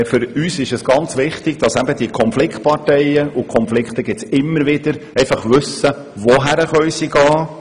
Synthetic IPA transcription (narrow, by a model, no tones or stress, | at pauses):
fʏɾyːsɪʃəsɡ̥ɑnt͡sʋɪχt̪ɪɡ̥̚d̥̪ɑsæbəd̥̪ikʰɔnflɪkt̚pɑɾtɛjəʔukʰɔnflɪkχt̪əɡɪt͡sɪmːəɾʋɪd̪əɾɛɪfɑχʋʉsə | ʋɔɦæɾəχœʏjsiɡɑː